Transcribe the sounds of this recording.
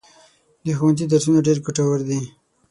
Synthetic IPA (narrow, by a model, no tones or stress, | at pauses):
d̪əxuwant̪̬id̪aɾsunaɖeɾɡuʈawaɾd̪i